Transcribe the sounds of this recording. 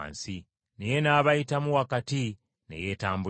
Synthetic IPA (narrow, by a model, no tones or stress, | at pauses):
nsi | neje̞naːβajitamuwakati | nḛje̞ːtaːmbu